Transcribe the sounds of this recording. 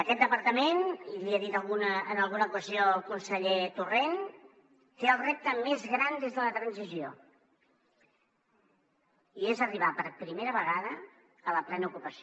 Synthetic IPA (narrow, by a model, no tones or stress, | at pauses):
əkɛt̪̚d̪əpəɾt̪əmeniliəðit̪əlˠɣunəənəlˠɣunəukəzioəlˠkunsəʎet̪uren | t̪eəlˠrep̚t̪əmezɣɾand̪ezðələt̪ɾənzizio | iezəriβ̞apəɾpɾimeɾəβəɣaðə | ələplɛnukupəsi